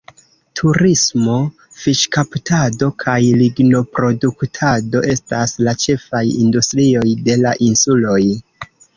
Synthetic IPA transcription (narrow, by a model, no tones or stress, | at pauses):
tʰuɾismo̞ | fiʃkaptado̞kʰajliɡno̞pɾo̞duktʰado̞ʔe̞staslat͡ʃe̞fajḭndustɾio̞jde̞laʔinsulo̞j